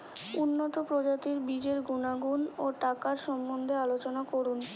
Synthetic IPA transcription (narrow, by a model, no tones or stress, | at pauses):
unːot̪opɾod͡ʑat̪iɾbid͡ʑeɾɡunaɡunoʈakaɾʃɔmbond̪ʱealot͡ɕonakoɾun